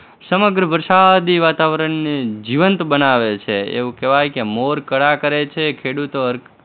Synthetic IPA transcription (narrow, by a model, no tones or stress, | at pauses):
səməɡɾəʋəɾʃad̪iʋat̪aʋəɾəɳːed͡ʒiʋənt̪bənaʋet͡ʃʰeḛʋũkɛʋajkemoɾkəɽakəɾet͡ʃʰekʰeɽut̪oəɾ